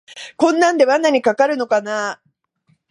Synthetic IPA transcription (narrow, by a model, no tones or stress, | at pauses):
kõ̞nːãnd̪e̞βanːaɲ̟ikakaɾɯ̟no̞kana